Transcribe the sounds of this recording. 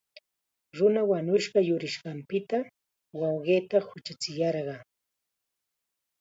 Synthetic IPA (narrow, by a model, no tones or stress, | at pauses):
ɾʊnawaɲʊʃɢɑjʊɾɪʃɢɑmpɪt̪a | wɑwɢeːt̪ahʊt͡ʃat͡sɪjɑɾɢɑː